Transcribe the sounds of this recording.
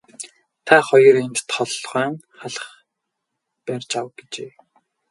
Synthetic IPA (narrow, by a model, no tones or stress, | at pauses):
t̪ʰaχɔjɞ̆rent̪t̪χɔɮʁœːŋ | χaɮə̆χ | pærʲt͡ɕawɡet͡ɕeː